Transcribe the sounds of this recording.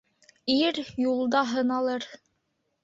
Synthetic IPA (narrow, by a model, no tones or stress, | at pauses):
iɾjulˠd̪ɑɦɤ̆nɑlˠɤɾ